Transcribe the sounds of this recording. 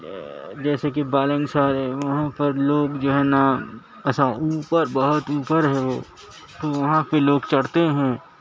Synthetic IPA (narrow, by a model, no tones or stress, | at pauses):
d͡ʒɛːsekibaːlə̃ŋɡsaːɾeʋɐɦãpɐɾloːɡd͡ʒoːɦɛːna | ɛsauːpəɾbɐɦʊt̪uːpəɾɦɛʋoː | t̪oʋɐɦãpɪɾloːɡt͡ʃɐɽt̪eɦɛ̃ː